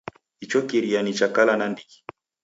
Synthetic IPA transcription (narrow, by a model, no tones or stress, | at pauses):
it͡ʃɔkiɾianit͡ʃakalanandiki̥